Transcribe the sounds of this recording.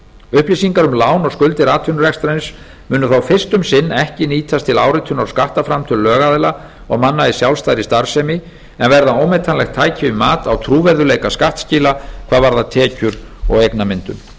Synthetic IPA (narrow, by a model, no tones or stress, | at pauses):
ʏhplisiŋkaɾʏmlaːwnɔɣskʏlt̪ɪɾaːt̪ʰʏnɾɛkst̪ɾajns | mʏːnʏθawfɪr̥st̪ʏmsɪnːɛhcɪniːt̪ʰast̪ʰɪlaːwɾɪt̪ʰʏnawskaht̪afɾamt̪ʰɪllːœːɣaðɪla | ɔɣmanːaisjawlst̪ajɾɪst̪aɾ̥sɛmɪ | ɛnvɛɾðaowmɛjt̪ʰanlɛɣt̪ʰaːjcɪʏmaːt̪awt̪ʰɾuːvɛɾðʏleːjkaskaht̪sciːlakʰv̥aːðvaɾðat̪ʰɛːcʏɾɔ̰ɣejknamɪnt̪ʏ̰m